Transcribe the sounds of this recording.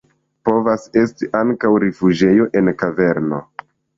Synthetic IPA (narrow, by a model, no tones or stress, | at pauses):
po̞vase̞stiʔaŋkawɾifud͡ʒe̞jo̞ʔe̞nkave̞ɾno̞